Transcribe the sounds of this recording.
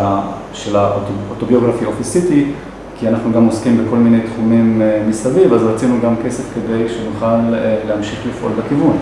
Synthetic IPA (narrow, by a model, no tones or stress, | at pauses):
a | ʃelaoot̪obioɡʁafiofisiti | kianaχnuɡamoskimbeko̞lmine̞jtχumimːisavivazʁat͡sinuɡamke̞se̞fke̞de̞jʃenuχalleamʃiχlifʔo̞lbekivun